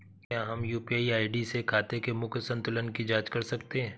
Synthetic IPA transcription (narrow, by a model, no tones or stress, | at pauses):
kjaːɦɐmjuːpiaːiaːɪɖisekʰaːt̪ekemʊksə̃nt̪ʊlənkid͡ʒaːd͡ʒkɐɾsɐkt̪eɦɛ̃ː